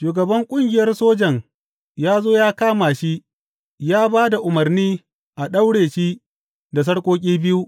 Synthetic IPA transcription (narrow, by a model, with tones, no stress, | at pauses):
ʃuː˨ɡɐ˨bɐ˦ŋkʷʼʊ˦ŋɡʲɪ˨jɐ˦rsoː˦d͡ʒɐ˨ŋ | jaː˦zoː˦jaː˦kaː˦maː˨ʃi˦ | jaː˦baː˦da˨ʔʊ˨mɐ˨rniː˦ | ʔa˨ɗɐ˦wɽeː˨ʃiː˦ | da˨s̬ɐ˦ɽkʷʼoː˦kʲʼiː˦bɪ˦ju˦